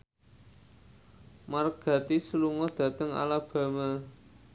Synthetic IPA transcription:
marɡ̥ä̤t̪isəluŋɔd̪̥ä̤t̪əŋa̰lab̥ä̤ma

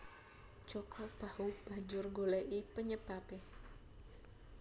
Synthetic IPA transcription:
d͡ʒɔkʰɔb̥ahub̥ad͡ʒʊrŋɡolɛʔipəɲəb̥ape

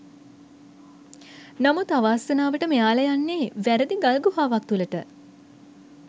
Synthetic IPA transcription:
namut̪aʋaːsənaːʋəʈəmejaːləjanːeːʋæɾəd̪iɡalɡuɦaːʋak̚t̪uləʈə

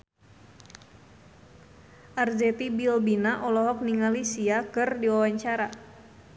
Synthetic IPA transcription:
ʔard͡ʒɛt̪ibilbinaʔɔlɔɦɔk̚niŋalisiakɨrdiwawaɲt͡ʃaɾa

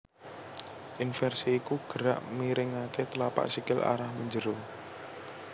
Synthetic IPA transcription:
ʔinfɛrsiːkuɡ̥ə̤ɾa̰ʔmiɾɪŋaket̪əlapa̰ʔsikɪlʔa̰ɾahməɲd͡ʒəɾo

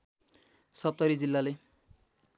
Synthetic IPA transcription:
sʌp̚t̪ʌɾid͡zilːale

